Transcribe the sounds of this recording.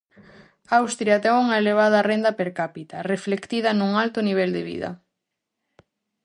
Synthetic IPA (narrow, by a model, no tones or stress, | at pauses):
awst̪ɾjɐt̪ɛŋuŋɐeleβ̞að̞ɐrend̪ɐpeɾkapit̪ɐreflekt̪ið̞ɐnuŋalt̪ʊniβ̞ɛld̪eβḭðɐ̰